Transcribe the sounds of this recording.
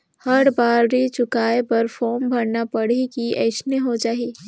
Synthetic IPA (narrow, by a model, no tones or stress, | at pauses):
həɾbaːɾɾit͡ʃʊkaːepɐɾfʰɔːɾmbʱɐɾnapəɽ̤ikiɛɪsneɦod͡ʒaːɦi